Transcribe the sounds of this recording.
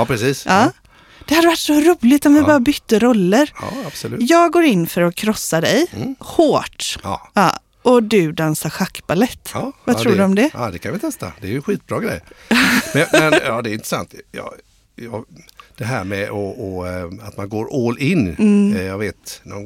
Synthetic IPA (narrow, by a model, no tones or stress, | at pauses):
ɑːpɾɛsiːsʔɑː | d̪̥ɛhad̪ːəvaʈːsɔɾuːlɪt̪ɔmvɪbɑːɾabʏt̪ːəɾɔlːəɾɑ̰ab̥sɔlʉjɑːɡɡoːɾɪnːfœɾɔkʰɾɔsːaɖɛjhoːʈɑɑ̰ː | ʔɔd̪ɵd̪ansaɾɧakːbalɛt̪ːvat̪ɾuːɖɵɔmd̪ɛd̪ɛkʰanvɪt̪ʰɛst̪a̰d̪ɛːɾjʏɛnɧiːt̪̚bɾɑːɡɾɛ̰jmɛɛnjɑːd̪ɛɾɪnt̪ɾəsa̰nt̪jɑ̰ | jɑd̪̥ɛɦæɾmɛʔɔɔat̪manɡoːɾoːlɪn̩ːjaɡveːt̪nɔ